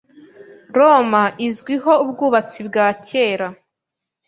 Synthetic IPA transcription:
ɾomaʔizɡwiɦo̞ub̚ɡuːβat͡sibɡaːcʰe̞ːɾa

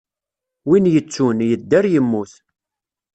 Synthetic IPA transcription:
winjət͡sːunjəd̪ːæɾjəmːuθ

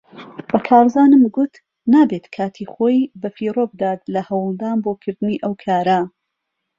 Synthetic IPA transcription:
bɐkʰaːɾzaːnɨmɡut̪ | naːbet̪kʰaːt̪ʰiχoːjbɐfirobd̪aːt̪̚lɐhɐwlˠd̪aːnboːkʰɨɾd̪ɨniːʔɐwkʰaːɾɐ

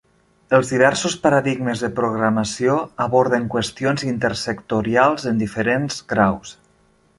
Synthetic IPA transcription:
əlˠzðiβ̞ɛɾsuspaɾaðiɡməzðəpɾuɣɾaməsioaβɔɾðəŋkwəst̪ionzint̪əɾsəkt̪uɾialˠzənd̪ifəɾenzɣɾaws

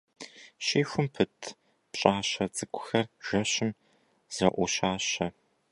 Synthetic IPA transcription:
ʃeːxʷʊmpʰɨtʰ | pɕʼaːɕɐd͡zʼɨkʷʰʊ̥xɐrʒ̥ɐɕɪm | z̥ɐʔʷɔɕaːɕɐ

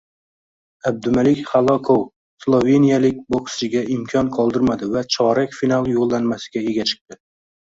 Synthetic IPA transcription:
ab̚d̪ʊmalɪkʲχalˠɒkʰow | slˠove̞nijalɪk̚ʲbokst͡ʃɪɡʲaʔɪmkʲʰɒnqʰɒlˠd̪ɪɾmad̪ɪvat͡ʃʰɒɾakʲfinalˠjolˠːanmasɪ̥ɡʲae̞ɡʲat͡ʃʰɨ̥q̚t̪ɪ

